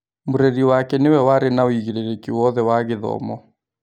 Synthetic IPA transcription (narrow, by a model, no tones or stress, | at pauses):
mʊɾeɾiwakɛnɪwɛwaɾɪnaoiɣiɾɛɾekiwɔðɛwaɣɪðɔ̰mɔ